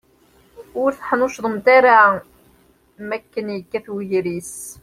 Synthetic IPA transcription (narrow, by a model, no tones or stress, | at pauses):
ʊɾθħnʊʃðˤəmt̪aɾa | mækːənjəkːæθwʝɾis